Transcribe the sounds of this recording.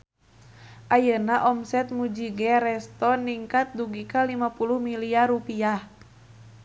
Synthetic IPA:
ʔajənaʔɔmsɛt̪̚mud͡ʒiɡɛɾɛst̪ɔniŋkat̪̚duɡikalimapuluhmiliaɾupiah

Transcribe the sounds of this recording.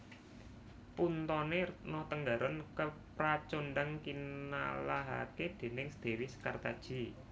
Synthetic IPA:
punt̪ɔnenɔt̪əŋɡaɾɔnkəpɾat͡ʃonɖaŋkina̰laɦa̰ked̪̥e̤nɪŋsəd̪̥e̤wɪsə̥kart̪ad̥ʒ̥i̤

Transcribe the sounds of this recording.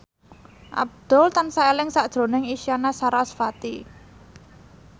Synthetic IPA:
ʔa̰b̚d̪̥ɔ̤lt̪ansaelɪŋsaʔd̥ʒ̥ɾo̤nɪŋisianasaɾasfat̪i

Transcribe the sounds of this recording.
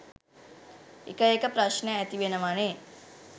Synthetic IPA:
ḭkɐjekɐpɾaʃnɐɐt̪iʋenɐmaːne

